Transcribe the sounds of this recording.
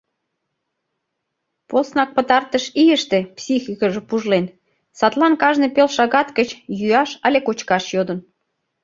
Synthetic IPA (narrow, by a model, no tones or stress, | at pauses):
posnɑk̚pət̪ɑrt̪əʃijəʃt̪epsʲixikəʒĕpuʒlen | sɑt̪lɑnkɑʒnepelʃɑɣɑt̪kət͡ɕjyɑʃɑlʲekot͡ɕkɑʃjod̪ən